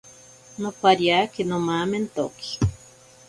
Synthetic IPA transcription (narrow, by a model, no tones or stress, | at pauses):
nopaɾjakenomament̪o̰ki̥